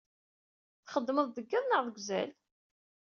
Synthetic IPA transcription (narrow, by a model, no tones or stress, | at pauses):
θχəd̪ːməðˤd̪əɡːiðˤnəʁðˤəɡʷzæ̰l